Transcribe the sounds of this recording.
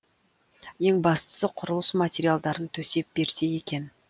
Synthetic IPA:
je̞ŋbɑst̪ə̥səqʰʊɾəlˠəsmatʲe̞ɾialˠd̪ɑɾənt̪ʰɵse̞p̚b̥e̞ɾse̞je̞kʲe̞n

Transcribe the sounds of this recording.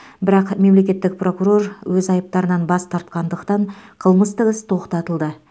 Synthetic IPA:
bɪɾɑqme̞mle̞kʲe̞t̪ːɪk̚pro̞kuɾo̞rwʔɵzɑjəp̚t̪ɑɾənɑnbɑst̪ʰɑɾt̪qɑnd̪əqt̪ɑɴqʰəlˠməst̪əʁɪst̪ʰo̞qt̪ɑt̪əlˠd̪ə

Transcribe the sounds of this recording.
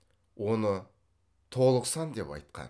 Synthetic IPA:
wo̞nə | t̪ʰo̞lˠəqsɑnd̪e̞pɑ̰jt̪̚qɑ̰n

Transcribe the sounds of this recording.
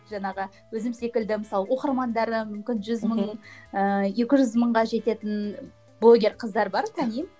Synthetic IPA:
ʒɑɴɑʁə | wɵzɪmse̞kʲɪld̪ɪmɪsɑlˠəwo̞qəɾmɑnd̪ɑɾəmʏmkʲɪnʒʏzməɴəje̞kʲɪʒʏzməɴʁɑʒe̞t̪e̞t̪ɪn | blˠoɡʲe̞rqʰəzd̪ɑɾbɑɾt̪ʰɑnijm

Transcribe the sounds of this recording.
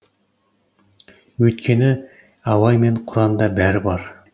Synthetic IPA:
ɵjt̪kʰeni | ɑwɑjmeɴqʰuɾɑnd̪ɑbæɾɪbɑɾ

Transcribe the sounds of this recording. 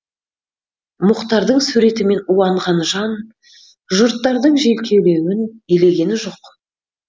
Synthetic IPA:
mʊqt̪ɑɾd̪əɴsuɾe̞t̪ɪme̞nuɑɴʁɑnʒɑn | ʒʊɾt̪ːɑɾd̪əɴʒe̞lkʲe̞wle̞wɪnele̞ɡʲe̞nɪʒo̞q

